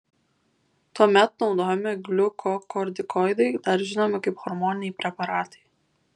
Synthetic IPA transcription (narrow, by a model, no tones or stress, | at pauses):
t̪uɔmʲɛt̪nɒʊd̪oːjmʲɪɡlʲʊkʰɔkɔɾʲd̪ʲɪkɔɪd̪ɐɪd̪ɐɾʒʲɪnoːmʲɪkɐɪpxɔɾmɔːnʲɪnʲɛjpʲɾʲɛpɐɾɑːt̪ɐ̥ɪ